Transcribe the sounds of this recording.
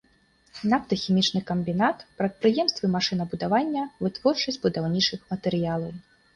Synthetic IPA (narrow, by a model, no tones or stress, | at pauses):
napt̪ɐxʲimʲit͡ʂnɨkɐmbʲinat̪pɾɐt̪̚pɾɨjɛmst̪vɨmaʂɨnɐbud̪avanʲːɐvɨt̪vɔrt͡ʂɐsʲtʲbud̪awnʲit͡ʂɨxmɐt̪ɛɾɨjalˠɐw